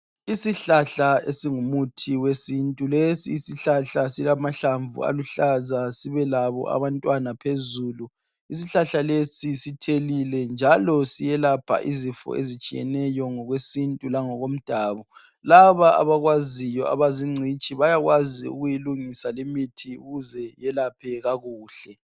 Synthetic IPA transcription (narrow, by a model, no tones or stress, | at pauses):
isiɬaɬaesiŋumutʰiwesintʼulesiːsiɬaɬasilamaɬaɱvṵa̰luɬazasiβɛlaβɔ̰a̰βantʼwanapʰezuːlu | is̬iɬaɬalesisitʰelilɛnd͡ʒʱalɔsijɛlapʰa̰ʔizifɔ̰ʔezit͡ʃʼijɛ̰nɛjɔŋɔɣwesintʼulaŋɔɣom̩d̥ʱaːβɔ | laβaa̰βaɣwazijɔa̰βaziŋ͡ǀʱit͡ʃʼiβajaɣwaziṵɣujiluŋisalemitʰiuɣuzɛjɛlapʰɛɣaɣuːɬɛ